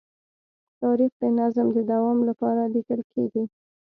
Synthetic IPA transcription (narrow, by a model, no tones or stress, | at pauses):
t̪ɑɾixd̪ənazmd̪əd̪awɑmlapɑɾalikəlkʰḛɡi